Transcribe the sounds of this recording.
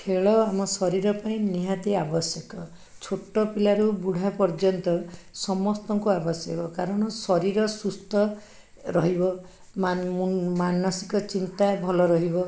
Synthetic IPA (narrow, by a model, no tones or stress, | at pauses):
kʰeɭɔamɔsɔɾiɾɔpaĩniɦat̪iabɔsjɔkɔ | t͡ʃʰoʈːɔpilaɾubuɽ̤ʱapɔɾd͡ʒɔnt̪ɔsɔmɔst̪ɔŋkuabɔsjɔkɔkaɾɔɽ̃ɔsɔɾiɾɔsust̪ɔ | ɾɔɦibɔ | mmumanɔsi̥kɔt͡ʃint̪abʱɔlɔɾɔɦibɔ